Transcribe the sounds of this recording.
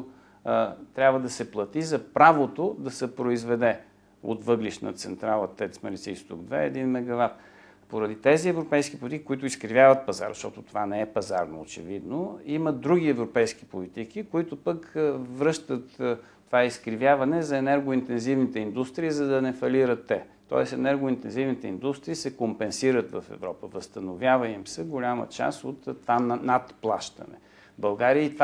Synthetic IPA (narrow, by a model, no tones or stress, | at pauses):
t̪ɾʲabvəd̪ɐsɛplˠɐt̪izɐpɾavot̪od̪ɐsɛpɾoizvɛd̪ɛ | o̰t̪vɤɡliʃnə̰t̪sɛ̰nt̪ɾalˠət̪ɛt̪smɛɾlʲit̪siist̪ṵɡd̪vɛɛd̪inmɛɡɐvat̪̚ | poɾɐd̪it̪ɛziɛvɾopɛjskipolit̪ikikʊit̪ʊiskɾivʲjavɐt̪̚pɐza̰ɾʃt̪ɔt̪ʊt̪ovanɛɛpɐzaɾno̰ːt͡ʃɛ̰vid̪noiməd̪ɾuɡʲiɛvɾopɛjski̥polit̪ikikoit̪ʊpəkvɾɤʃt̪ət̪ː | ovaiskɾivʲjavɐnɛzɐɛnɛɾɡʊint̪ɛnzivnit̪ɛind̪ust̪ɾiːzɐd̪ɐnɛfɐliɾət̪ːɛ | t̪ɔ̰ɛsɛnɛɾɡʊint̪ɛnzivnit̪ɛind̪ust̪ɾiːsɛkompɛnsiɾət̪vɐ̰fɛ̰vɾɔpəvəst̪ənovʲjavəimsɛɡolʲamə̰t͡ʃa̰sot̪ːvannat̪plˠa̰ʃt̪ə̰nɛ̰ | bɐlˠɡaɾiəit̪v